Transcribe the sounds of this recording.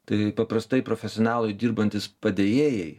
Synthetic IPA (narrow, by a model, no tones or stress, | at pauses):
t̪ɐɪpɐpɾɐst̪ɐɪpɾoːfʲɛsʲɔːnɑːlˠʊɪd̪ʲiːɾbɐnʲt̪ʲɪspɐd̪ʲejeːjɛɪ